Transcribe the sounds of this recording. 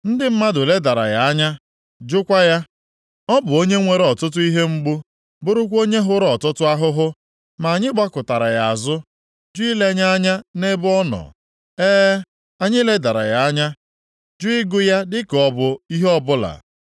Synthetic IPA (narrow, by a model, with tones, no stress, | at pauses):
n̩˦dɪ˦m̩˦ma˦dʊ˨le˦da˨ɾa̰˨ja˨a˦ɲa˦ | d͡ʒʊ˦kʷa˦ja˦ | ɔ˦bʊ˨o˦ɲe˦ŋʷe˨ɾe˨˦ɔ˨tʊ˦t̬ʊ˦i˦ɦe˦ŋ͡m̩˦ɡ͡bu˦ | bʊ˦ɾʊ˦kʷo˦ɲe˦ɦʊ˦ɾɔ˨tʊ˦tʊ˦a˦ɦʊ˦ɦʊ˦ | ma˨a˨ɲɪ˦ɡ͡ba˦kʊ˨ta˨ɾa˨ja˨a˨zʊ˦ | d͡ʒʊ˦i˦le˦ɲa˦a˦ɲa˦ne˦bʊ˦ɔ˦nɔ̰˨ | eː˦ | a˦ɲɪ˦le˦da˨ɾa̰˨ja˨a˦ɲa˦ | d͡ʒʊ˦ɪ˦ɡʊ˦ja˦dɪ˦kɔ˦bʊ˨i˦ɦɔ˦bʊ˦la̰˨